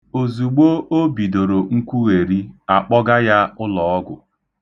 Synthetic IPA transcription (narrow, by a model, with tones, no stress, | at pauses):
o˨zu˨ɡ͡bo˦ʔo˦bi˨do˨ɾo˨ŋ̩˦kʷu˦ɣe˨ɾi˦a˨k͡pɔ˦ɡa˦ja˦ʊ˦lɔ˨ɔ˦ɡʊ˨